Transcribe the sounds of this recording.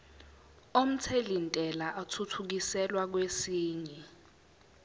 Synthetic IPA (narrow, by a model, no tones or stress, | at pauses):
om̩t͡sʰelintʼɛlaʔatʰutʰuk̬isɛlwak̬wesiːɲɛ